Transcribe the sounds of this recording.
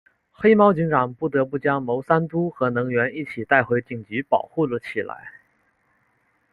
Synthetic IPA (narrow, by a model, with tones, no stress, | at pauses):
xe˥ɪmɑ˥ʊt͡ɕi˧˥ŋʈ͡ʂɑ˨˩ŋpu˥˩t̪ɤ˧˥pu˥˩t͡ɕjɑ˥ŋmo˧˥ʊsa˥nt̪u˥xɤ˧˥nɤ˧˥ŋɥɛ˧˥ni˥˩t͡ɕʰi˨˩t̪a˥˩ɪxwe˧˥ɪt̪i˨˩ŋt͡ɕy˧˥pɑ˨˩ʊxu˥˩lə˨˩t͡ɕʰi˨˩la̰˧˥ɪ